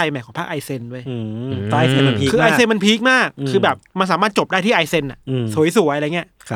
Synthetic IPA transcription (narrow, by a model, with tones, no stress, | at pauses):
a˧jma˨˩kɔː˨˦pa˥˩kʔa˧jse˧ndu˥˩əj | e˧ma˧npʰːkʰɯː˧ʔaː˧jse˧nma˧npʰiː˦˥k̚maː˥˩kʰːɯː˧bɛː˨˩p̚ma˧ns̬aː˨˦maː˥˩t̪̚t͡ɕo˨˩p̚daː˥˩jt̪ʰiː˥˩ʔaː˧jse˧nːa˨su˨˩˦jsu˨˩˦ʔɾa˧jŋi˦˥ɐʔʰ